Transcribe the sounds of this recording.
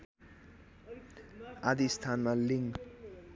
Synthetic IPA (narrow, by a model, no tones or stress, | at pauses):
ad̪ist̪ʰanmaliŋɡ